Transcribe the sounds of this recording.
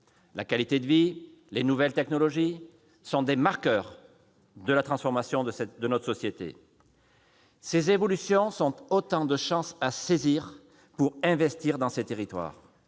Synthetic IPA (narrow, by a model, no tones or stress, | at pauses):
lakalit̪ed̪əvi | lenuvɛlt̪ɛknɔlɔʒi | sɔ̃d̪emaʁkœʁ | d̪əlat̪χɑ̃sfɔʁmasjɔ̃əɛd̪ənɔt̪χəsɔsjet̪ḛ | sezevɔlysjɔ̃sɔ̃t̪ot̪ɑ̃d̪əʃɑ̃saseziʁ | puʁɛ̃vɛst̪iʁd̪ɑ̃set̪eʁit̪wa̰ːʁ